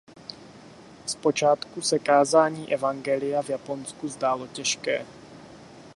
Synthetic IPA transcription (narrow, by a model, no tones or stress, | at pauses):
spo̞t͡ʃaːt̪kusɛkaːzaːɲiːʔɛvaŋɡɛlɪjavjapo̞nskuzdaːlo̞cɛʃkɛ̰ː